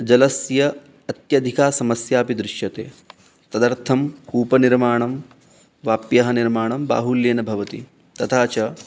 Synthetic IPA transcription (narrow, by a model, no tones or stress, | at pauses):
d͡ʒɐlɐsjɐ | ɐt̪jɐd̪ʱikaːsɐmɐsjaːpid̪ɾɪʂjɐt̪ḛː | t̪ɐd̪ɐɾt̪ʰɐmkuːpɐniɾmaːɳɐm | ʋaːpjɐɦɐniɾmaːɳɐmba̰ːɦuljeːnɐbʱɐʋɐt̪ḭ | t̪ɐt̪ʰaːt͡ʃɐ